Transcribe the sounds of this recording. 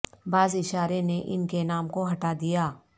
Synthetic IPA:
baːzɪʃaːɾeneʔɪ̰nkenaːmkoɦɐʈad̪ijaː

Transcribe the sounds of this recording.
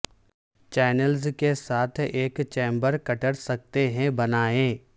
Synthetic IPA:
t͡ʃɛːnəlzkesaːt̪ʰeːkt͡ʃẽːmbəɾkɐʈəɽsɐk̚t̪eɦɛ̃bɐnaːẽː

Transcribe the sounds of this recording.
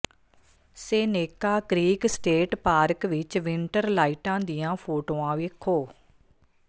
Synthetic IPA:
seːneːkaːkɾiːksʈeːʈpaːɾkʋɪt͡ʃʋɪɳʈəɾlaːiːʈãːd̪ijãːpʰoːʈoːãːʋeːkʰoː

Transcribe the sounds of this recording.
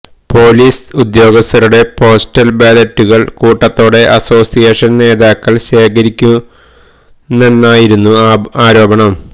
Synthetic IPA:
po̞ːliːsud̪jo̞ːɡɐst̪ɐɾuɽe̞pʰo̞ːsʈɐlbaːlɐtːuɣɐɭkuːʈːɐt̪ːo̞ːɽe̞ʔɐso̞ːsijeːʂɐnne̞ːd̪aːkːɐɭɕe̞ːkɐɾikʲːu | nːenːaːjiɾunːuaːɾo̞ːbɐɳɐm

